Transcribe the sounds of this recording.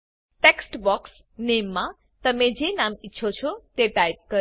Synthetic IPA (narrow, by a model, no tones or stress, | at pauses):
ʈeksʈbɔks | nemːã | t̪əmed͡ʒenamitːʃʰot͡ʃʰot̪eʈajb̚kə